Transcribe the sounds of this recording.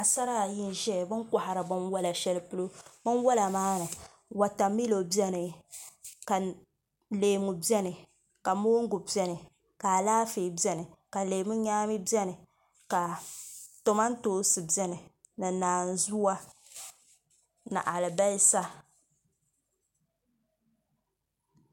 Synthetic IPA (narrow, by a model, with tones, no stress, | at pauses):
a˨sa˦ɾa˦˨ji˦n˦ʒɛ˦˨bɨ˦ŋka˨ha˨ɾɨ˨bɨ˦nwa˦la˨ʃɛ˦lpu˦lo˦bɨ˦nwa˦la˨maː˦nɨ˨ | wa˨ta˨mi˦lo˨bjɛ˦nɨ˨ | ka˨ | leː˨mu˨bɛ˦nɨ˨ | ka˨moː˦ŋ˦ɡu˨bɛ˦nɨ˨ | ka˨laː˦fi˨bɛ˦nɨ˨ka˨leː˨mu˦ɲaː˦mi˦bɛ˦nɨ˨ | ka˨ | to˨ma˦n̩˦toː˦sɨ˨bɛ˦nɨ˨ | nɨ˨naː˨n˨zu˦wa˦ | na̰˨ʔa˨lɨ˨ba˦sa˦